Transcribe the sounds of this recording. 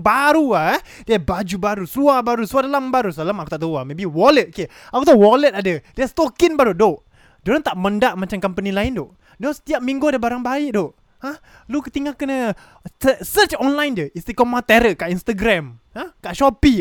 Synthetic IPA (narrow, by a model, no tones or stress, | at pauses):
baɾuaa | diabad͡ʒubaɾusuabaɾusuadalambaɾusalamaku̥t̪aʔt̪aamebiwɔlət̪̚oke | akut̪awɔlət̪̚adədiast̪okinbaɾudoʔ | d͡ʒoɾant̪aʔməndaʔmat͡ʃamkampənilaɪndoʔ | nasə̥t̪iap̚mĩŋɡuadəbaɾaŋbaɪʔdoʔ | a | lukət̪iŋakənə | əsət͡ʃɔnlajndəist̪ikɔmat̪ɛɾəkaʔinst̪əɡɾamhãkaʔʃɔpi